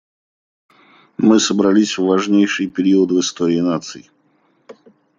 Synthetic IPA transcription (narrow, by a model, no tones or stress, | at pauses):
mɨsəbɾɐlʲisʲvːɐʐnʲejʂɨjpʲɪɾʲiət̪vɨst̪oɾʲɪːnat̪sɨɪ